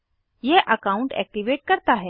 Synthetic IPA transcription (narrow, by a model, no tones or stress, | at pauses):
jɛʔɐkaːʊ̃ɳʈɛ̰ːk̚ʈiʋeːʈ̚kɐɾt̪aɦɛː